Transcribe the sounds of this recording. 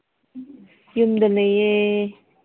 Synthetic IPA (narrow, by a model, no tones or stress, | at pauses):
jumd̪əleje